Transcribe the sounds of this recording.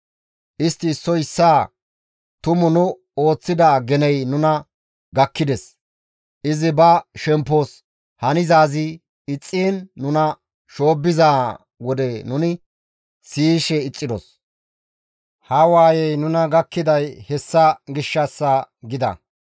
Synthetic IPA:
ʔɪst̪ːɪːsːɔɪsːaː | t̪ʊmʊnʊ | o̞ːt͡sːɪd̪aːɡɛnɛjnʊnɐ | ɡɐkːɪd̪ɛs | ʔɪzɪbɐʃɛmpːos | hɐnɪzaːzɪ | ɪt͡sʼːiːnːʊnɐ | ʃo̞ːbːɪzaː | wɔd̪ɛnʊnɪ | siːʃɛɪt͡sʼːɪd̪ɔ̰s | hɐwaːjɛjnʊnɐɡɐkːɪd̪ɐjhɛsːɐɡɪʃːɐsːɐɡɪd̪ɐ̰

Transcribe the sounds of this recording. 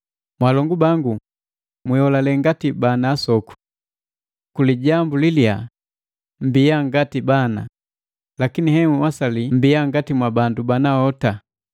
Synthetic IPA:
mwalɔŋɡubaŋɡu | mihɔlalɛŋɡatibanaːsɔku̥ | kuliɟambulilia | m̩bijaŋɡatibana | lakinihɛŋuwasalim̩biaŋɡatimwabandubanahɔta

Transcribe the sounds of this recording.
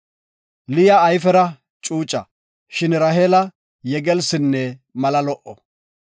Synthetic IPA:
lɪjɐːjfɛɾɐ | t͡ʃʼuːt͡ʃʼːɐ | ʃɪnɾɐɦeːlɐ | jɛɡɛlsɪnːɛmɐlɐlɔʔɔ

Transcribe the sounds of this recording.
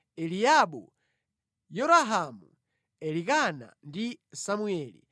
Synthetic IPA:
ɛliaɓṵ | jɔɾaɦamu | ɛlikana̰ndisamuɛːlḭ

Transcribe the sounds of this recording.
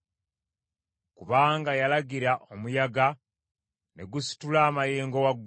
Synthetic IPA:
kuβaːŋɡajalaɡiɾaʔomujaɡa | ne̞̰ɡusi̥tulaːmajeːŋɡo̞waɡː

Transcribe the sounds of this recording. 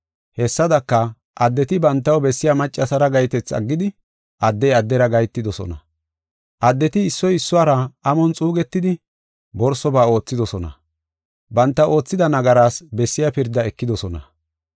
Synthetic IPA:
hɛsːɐd̪ɐkːɐ | ʔɐd̪ːɛt̪ɪbɐnt̪ːɐwbɛsːɪjɐmɐt͡ʃʼːɐsɐɾɐɡɐjt̪ɛt͡sːɐ̰ɡːɪd̪ɪ | ʔɐd̪ːɛjɐd̪ːɛɾɐɡɐjt̪ːɪd̪ɔsɔ̰nɐ̰ | ʔɐd̪ːɛt̪ɪːsːɔjɪsːʊaːɾɐʔɐmɔnt͡sʼuːɡɛt̪ːɪd̪ɪ | bɔɾsɔbaːo̞ːt͡sːɪd̪ɔsɔnɐ̰ | bɐnt̪ːɐwʔo̞ːt͡sːɪd̪ɐnɐɡɐɾaːsbɛsːɪjaɐpɪɾd̪ːɐɛkːɪd̪ɔsɔnɐ

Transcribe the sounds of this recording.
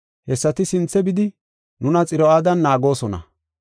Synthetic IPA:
hɛsːɐt̪ɪsɪnt͡sːɛbɪd̪ɪ | nʊnɐt͡sʼɪɾɔaːd̪ɐnːaːɡo̞ːsɔnɐ̰

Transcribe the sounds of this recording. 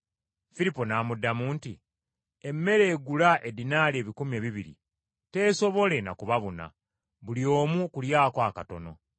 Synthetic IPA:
filipo̞naːmudːamuːnti | e̞mːe̞ɾe̞ːɡulaʔe̞dinaːleːβikumie̞ːβiβiɾḭ | te̞so̞βo̞le̞na̰kuβaβuna̰ | βulio̞ːmukuljaːkoaːkato̞no̞̰

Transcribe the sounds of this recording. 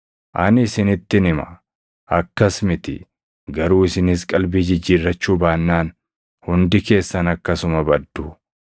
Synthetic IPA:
ʔɐnɪsɪnɪt̪ːɪnɪmɐ̰ | ɐkːɐsmɪt̪ɪ̰ | ɡɐɾuːɪsɪnɪskʼɐlbiːd͡ʒɪd͡ʒːiːrːɐt͡ʃːuːbaːnːaːn | hʊnd̪ɪke̞ːsːɐnɐkːɐsʊmɐbɐd̪ːʊ

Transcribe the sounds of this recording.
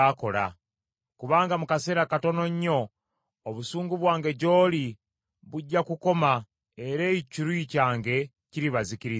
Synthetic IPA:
ako̞la̰ | kuβaːŋɡamukaseɾakato̞no̞ɲːo̞ː | βusuːŋɡuβwaːŋɡe̞ɟo̞ːli | βuɟːakuko̞ma | e̞ɾeciɾwiicaːŋɡe̞ | ciɾiβaziciɾi

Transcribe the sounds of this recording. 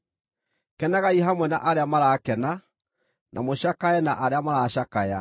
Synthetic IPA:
kɛnaɣaiɦamwɛna̰ʔaɾeamaɾakɛna | nʔa̰moɕakaɛnaʔaɾeamaɾaɕakaja̰

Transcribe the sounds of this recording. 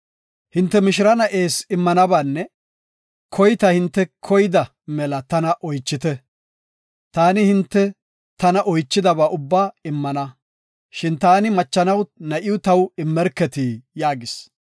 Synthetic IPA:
hɪnt̪ːɛmɪʃ̬ɪɾɐnɐʔe̞ːsɪmːɐnɐbaːnːɛ | kʰɔjt̪ɐhɪnt̪ːɛkʰɔjɪd̪ɐ | mɛlɐt̪ɐnɐʔɔjt͡ʃːɪt̪ɛ | t̪aːnɪhɪnt̪ːɛ | t̪ɐnɐʔɔjt͡ʃːɪd̪ɐbaːʔʊbːaːɪmːɐnɐ | ʃɪnt̪aːnɪmɐt͡ʃːɐnɐwnɐʔɪʊt̪ɐwɪmːɛɾkːɛt̪iːjaːɡɪs

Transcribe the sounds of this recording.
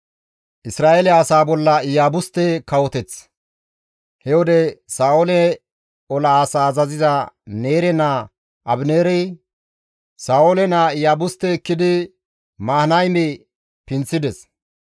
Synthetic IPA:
ʔɪsɾaːʔelɛɐsaːbɔlːɐɪjaːbʊst̪ːɛkɐwɔt̪ɛt͡s | hɛwɔd̪ɛsaːwolɛ | ɔlɐːsaːzɐzɪzɐneːɾɛna | ʔɐbneːɾɛj | saːwolɛnaɪjaːbʊst̪ːɛːkːɪd̪ɪ | maːhnɐjmɛ | pɪnt͡sːɪd̪ɛs

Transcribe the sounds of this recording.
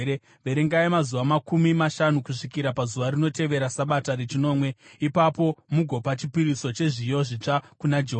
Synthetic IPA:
e | ʋeɾeŋɡaimazuʋamakumimaʃanukuʂikiɾapazuʋarino̞te̞ʋe̞ɾasaɓataɾet͡ʃino̞ːmwe̞ipapo̞muɡʱo̞pat͡ʃipiɾiso̞t͡ʃe̞ʐijo̞ʐit͡ʂakunad͡ʒeɦ

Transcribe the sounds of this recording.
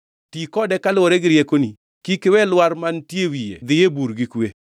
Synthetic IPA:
tikɔdɛkalwoɾeɡɪɾjekoni | kikɪwɛlwaɾmantjewijḛd̪ɪjebuɾɡɪkwe

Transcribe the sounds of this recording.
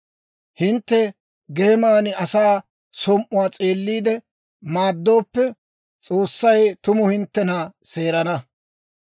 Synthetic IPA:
hɪnt̪ːɛ | ɡeːmaːnɪɐsaː | sɔmʔʊwaːt͡sʼe̞ːlːiːd̪ɛ | maːd̪ːo̞ːpːɛ | t͡sʼo̞ːsːɐjt̪ʊmʊhɪnt̪ːɛnɐse̞ːɾɐnɐ

